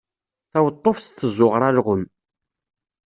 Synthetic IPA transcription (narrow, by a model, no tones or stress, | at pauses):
θæwət̪ˤːofsθəzˤːʊʁɾˤæɾʁʊm